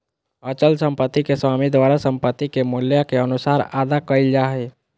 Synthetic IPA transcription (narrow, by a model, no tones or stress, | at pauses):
ət͡ʃəlsə̃mpət̪ːikeswamid̪waːɾasə̃mpət̪ːikemʊljakeənusaːɾaːd̪akəild͡ʒaɦe